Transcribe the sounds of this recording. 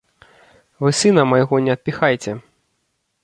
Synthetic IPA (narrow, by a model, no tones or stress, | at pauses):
vɨsɨnɐmɐjɣɔnʲɛɐt̪̚pʲixajt͡sʲɛ